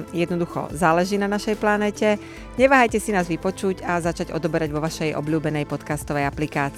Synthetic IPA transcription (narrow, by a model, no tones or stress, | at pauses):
jɛd̪nɔd̪uxɔ̰zaːlɛʒiːnanaʃɛjplanɛːcɛ | ɲɛʋaːɦajcɛsinaːzʋipɔt͡ʃuɟazat͡ʃaɟɔ̰d̪ɔbɛɾaɟʋɔʋaʃɛjʔɔ̰bʎuːbɛnɛjpɔt̪kast̪ɔʋɛjaplikaːt͡sː